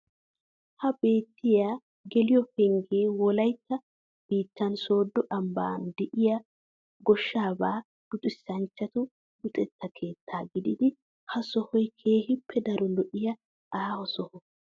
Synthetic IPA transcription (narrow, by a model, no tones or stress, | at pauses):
hɐbe̞ːt̪ːɪjaː | ɡɛlɪjɔpɛŋɡeːwɔlɐjt̪ːɐ | b̥iːt̪ːɐnso̞ːd̪ːɔʔɐmba̰ːnd̪ɛʔɪjɐ | ɡɔʃːaːbaː | ɡ̥ʊt̪ʼɪsːɐnt͡ʃːɐt̪ʊ | bʊt̪ʼɛt̪ːɐkʰe̞ːt̪ʰːaːɡɪd̪ɪd̪ɪ | hɐsɔhɔjkʰe̞ːhɪpʰːɛd̪ɐɾɔlɔʔɪjɐ | aːhɔsɔhɔ